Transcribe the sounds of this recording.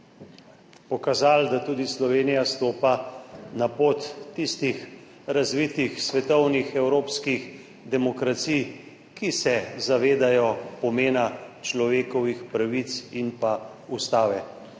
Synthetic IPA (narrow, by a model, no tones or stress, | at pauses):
pɔkazald̪at̪uːd̪islɔʋeːnijast̪oːpanapoːt̪ːist̪ix | ɾazʋit̪ixsʋɛt̪ɔwnixɛwɾoːpskix | d̪ɛmɔkɾat̪sij | kisɛzaʋeːd̪ajɔpɔmeːnat͡ʃlɔʋeːkɔʋixpɾaʋit̪sinpa | ust̪aːʋɛ